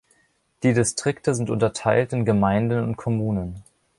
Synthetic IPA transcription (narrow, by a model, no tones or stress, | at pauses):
d̥iːdɪstʁ̥ɪktʰəzɪntʔʊ̰ntɐtʰaɪltɪnɡəmaɪndənʊ̰nt̚kʰɔmuːnən